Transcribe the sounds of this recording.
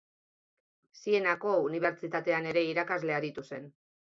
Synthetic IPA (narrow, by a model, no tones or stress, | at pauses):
sie̞nako̞uniβ̞e̞ɾt͡ʃit̪at̪e̞ane̞ɾe̞iɾakazle̞aɾit̪use̞n